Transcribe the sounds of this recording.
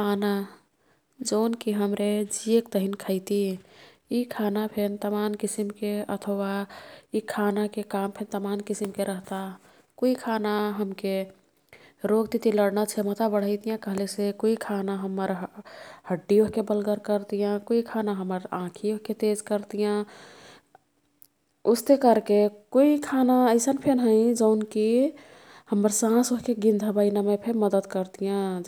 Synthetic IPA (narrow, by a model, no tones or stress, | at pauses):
ana | d͡ʒoːnkiɦəmɾed͡ʒiekt̪əɦinkʰəɪt̪i | ikʰanapʰent̪əmankisimkeət̪ʰəwaikʰanakekampʰent̪əmankisimkeɾəɦt̪a | koikʰanaɦəmke | ɾoɡt̪it̪iləɽnat͡ʃʰemət̪abəɽ̤əɪt̪ijãkəɦlesekoikʰanaɦəmːəɾ | həɖːioɦkebəlɡəɾkəɾt̪ijãkoikʰanaɦəmːəɾãkʰioɦket̪ed͡ʒkəɾt̪ijã | ust̪ekəɾkekoikʰanaəɪsənpʰenɦə̃ɪd͡ʒəʊnki | həmːəɾsãsoɦkeɡind̪ʱəbaɪnamepʰeɾməd̪əd̪kəɾt̪ijã